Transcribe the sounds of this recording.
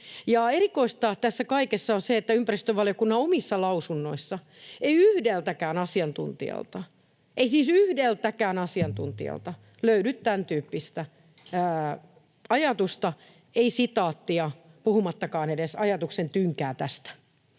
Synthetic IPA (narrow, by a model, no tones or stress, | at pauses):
jɑerikoist̪ɑːt̪æsːækɑikesːɑonseet̪ːæympærist̪øʋɑliokunːɑomisːɑlɑusunːoisːɑ | eiyhdelt̪ækæːnɑsiɑnt̪ṵnt̪ḭɑ̰lt̪ɑ | ʔeisiːsyhdelt̪ækæːnɑsiɑnt̪ṵnt̪ḭɑ̰lt̪ɑ | løydyt̪t̪ænt̪yːpːist̪æː | ɑjɑt̪ust̪ɑ | eisit̪ɑːt̪ːiɑpuhumɑt̪ːɑkɑːnedesɑjɑt̪uksent̪yŋkæːt̪æst̪æ̥